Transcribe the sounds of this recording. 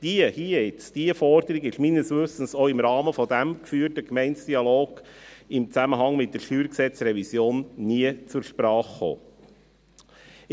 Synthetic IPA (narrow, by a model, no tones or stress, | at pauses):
d̥iəhiəɪt͡sd̥iəfɔɾd̪əɾiɡɪʃminəsʋʏsən̩soːɪmɾɑːməfɔd̥̪æmkfyːəɾtəkmɛɪntsd̥iɑloːɡ̥ɪmt͡sæməɦɑŋmɪt̚d̥ɛɾʃtyːɾksɛt͡sɾɛvisjoːnniət͡suɾʃpɾɑːχːo̰ː